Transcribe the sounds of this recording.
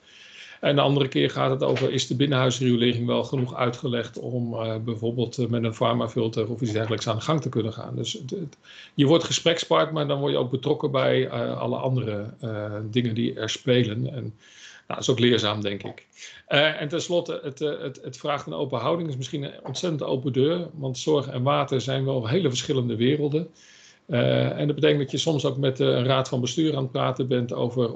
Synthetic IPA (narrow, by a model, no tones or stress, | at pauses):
ɛndəɑndərəkɪːɹχa̰ːtɦəto̰wvərʔɪzdəbɪnəɦœɥsriəlɪːrɪŋʋɛlˠχənuχœ̰ɥtχəlɛχtɔmbɛjvoːɹbɪːlˠtmɛtənfɑɹmafɪlˠtərɔfisdɛrɣənləksaːndəχɑŋtəkɵnənχa̰ːndɵs | jəʋɔɹtχəsprɛkspaɹtmaːɹdɑnʋɔɹjəo̰wk̚bətrɔkəbɛjəɑ̰lˠə̰ʔɑ̰ndərə | dɪŋəndiɛ̰ɹspejlənɛ̰n | na̰ɪsowklɪːɹzaːmdɛŋkɪ̰k | ɛntɛnslɔtəətətətfraːχtəno̰wpənɦɑwdɪŋɪs̬mɪsχinɔntsɛtəndo̰wpədøːɹʋɑntsɔɹχɛ̰nʋaːtəɹzɛjnʋɛlˠɦejləvəɹsχɪləndəʋɪːrəlˠdən | ɛ̰ndɑdbət̬ejkəndɑtjəsɔmsowkmɛtənraːtfɑnbəstyːɹaːnt̚praːtəbɛnto̰wvər